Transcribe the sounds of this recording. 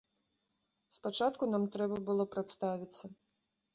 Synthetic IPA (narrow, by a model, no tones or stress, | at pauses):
spat͡ʂat̪kunamt̪ɾɛbɐbɨlˠɔpɾat̪st̪avʲit̪sːɐ